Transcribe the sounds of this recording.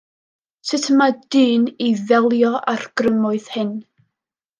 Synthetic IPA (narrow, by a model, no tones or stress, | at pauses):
sɪtʰəmad̥ɨːniðɛlˠjɔʔarɡ̥rəmʊɨð̥hɪn